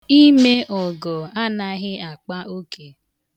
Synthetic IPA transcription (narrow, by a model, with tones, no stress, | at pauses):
i˦me˦ʔɔ˨ɡɔ˨a˦na˦ɣɪ˦a˨k͡pa˦o˦ke˨